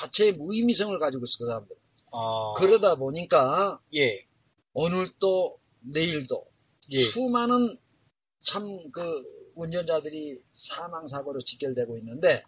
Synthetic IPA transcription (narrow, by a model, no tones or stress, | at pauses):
t͡ɕat͡ɕʰe̞ːmuimis̬ʰʌŋɯɭkad͡ʑiɡois͈ɯ̥kɯs̬ʰaɾamdɯɾ | kɯɾʌdaboɲik͈aje | onɯɭt͈o | ne̞iɭdo̰ | umanɯn | t͡ɕʰamkɯund͡ʑʌnd͡ʑadɯɾisʰamaŋs̬ʰaɡʌɾot͡ɕik͈jʌɭdwe̞ɡoinːɯnde̞